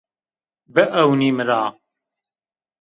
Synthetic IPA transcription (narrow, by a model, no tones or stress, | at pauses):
bəʔɐwniːmɨɾaː